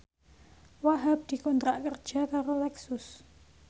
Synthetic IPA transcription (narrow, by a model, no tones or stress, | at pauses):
waɦab̚d̪̥i̤kɔnt̪ɾaʔkərd̥ʒ̥akaɾolɛksʊs